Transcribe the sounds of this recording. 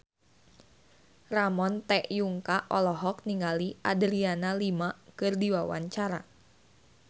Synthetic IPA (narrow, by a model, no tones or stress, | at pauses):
ramɔnt̪ɛʔjuŋkaɔlɔɦɔk̚niŋaliadəɾianalimakɨrdiwawa̰ɲt͡ʃaɾa